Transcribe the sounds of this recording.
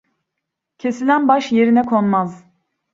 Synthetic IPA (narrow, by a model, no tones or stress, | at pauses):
cʰe̞silʲænbaʃje̞ɾinɛkʰonmaz